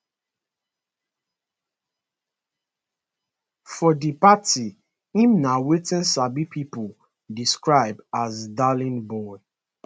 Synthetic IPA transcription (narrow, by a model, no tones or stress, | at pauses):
fɔdipati | ĩmnawetɛ̃nsabipʰipɔ | diskɹaɪbdazdalĩnbɔɪ